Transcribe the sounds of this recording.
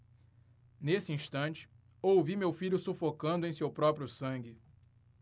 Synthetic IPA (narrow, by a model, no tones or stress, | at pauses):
nesɪĩʃt̪ɐ̃nt͡ʃɪ̥ | owvimewfiʎʊsufokɐ̃nd̪ʊẽj̃sewpɾɔpɾiʊsɐ̃ŋɡɪ